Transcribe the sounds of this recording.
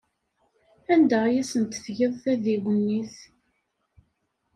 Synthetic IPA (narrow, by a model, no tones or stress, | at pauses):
ænd̪æjæsənt̪fʝəðˤθæðiwənːiθ